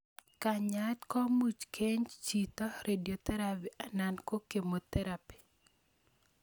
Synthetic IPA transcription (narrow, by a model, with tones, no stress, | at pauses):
ka˨ɲa˦t̪kɔ˦mu˨t͡ʃkʰe˦ɲt͡ʃi˨tɔ˦ɾʔe˨djo˨t̪ɛ˦ɾa˦pi˨ʔa˨na˨nko˦ke˨mo˨t̪ɛ˦ɾapi̥˨